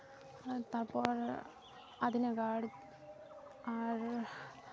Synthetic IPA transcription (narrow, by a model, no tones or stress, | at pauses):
t̪ɐrpːoːr | ɐðinekaːɽi | aːr